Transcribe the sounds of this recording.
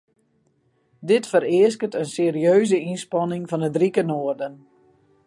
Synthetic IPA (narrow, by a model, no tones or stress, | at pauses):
dɪtfəɾɪəs̬kətənseːɾiøːzəinspɑnɪŋvɑnədrikənoːərdən